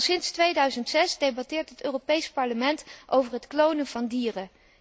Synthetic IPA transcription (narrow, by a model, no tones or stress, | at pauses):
sɪnstʋejdœɥzəntsɛsdejbɑtɪːɹtɦətøːropejspɑɹləmɛntʔowvəɹɦətklownənvɑndiːrə